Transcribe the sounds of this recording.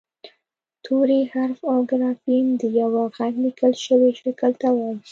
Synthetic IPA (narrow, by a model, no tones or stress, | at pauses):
t̪ʰoɾehaɾfaɡɾɑfind̪əjawaɣaɡlikəlʃəweʃakəlt̪awawi